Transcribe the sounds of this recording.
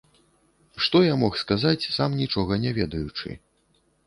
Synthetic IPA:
ʂt̪ɔjamɔxskazat͡sʲsamnʲit͡ʂɔɣɐnʲavʲɛd̪ɐjut͡ʂɨ̰

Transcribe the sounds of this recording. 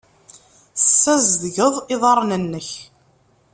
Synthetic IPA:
θsːæzðʝəðˤɪðˤɑɾˤnənːəç

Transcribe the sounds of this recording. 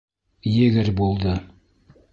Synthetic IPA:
jɘ̆ɡɘɾbulˠd̪ɤ

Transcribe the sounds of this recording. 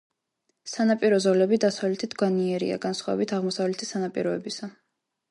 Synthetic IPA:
sanapʼiɾɔzɔlɛbid̪asavlɛt̪ʰid̪ɡwaniɛɾḭa̰ɡansχwavɛ̰bit̪ʰaʁmɔsavlɛt̪ʰisanapʼḭɾɔɛbisa

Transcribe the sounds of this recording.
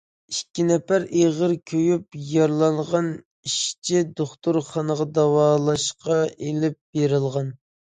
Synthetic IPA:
ikʲʰːinɛpæɾeʁəɾkʲʰøjyp̚jɑɾlˠɑŋʁɑn | iʃt͡ʃʰid̪oχt̪uɾχɑnəʁɑd̪ɑwɑːlˠɑʃqɑʔelɪp̚beɾɪlˠʁɑn

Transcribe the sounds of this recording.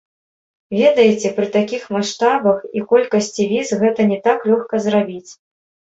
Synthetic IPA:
vʲɛd̪ɐjɛt͡sʲɛpɾɨt̪akʲixmaʂt̪abɐxikɔlʲkɐsʲt͡sʲivʲizɣɛt̪ɐnʲɛt̪aklʲɔxkɐzrabʲit͡sʲ

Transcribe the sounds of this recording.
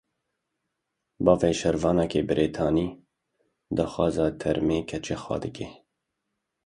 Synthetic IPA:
bɑːveːʃɛɾvɑːnɑkeːbɪɾʔeːt̪ʰɑːniː | d̪ɑːxɑːzɑːt̪ʰɛɾmeːkʰɛt͡ʃeːxwɑ̰ːd̪ɨkeː

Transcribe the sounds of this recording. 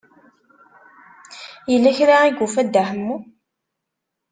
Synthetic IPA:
jəlːæçɾaiɡufæd̪ːahəmːu

